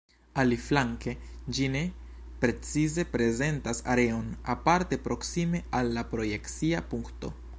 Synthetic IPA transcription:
aliflaŋke̞d͡ʒine̞ | pɾe̞t͡size̞pɾe̞ze̞ntasa̰ɾe̞o̞na̰paɾte̞pɾo̞ksime̞alːapɾo̞je̞kt͡siapuŋkto̞̰

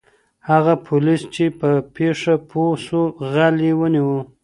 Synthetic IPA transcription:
haɣapʰʊlist͡ʃepəpeʂapʰosoɣaliwəniwə

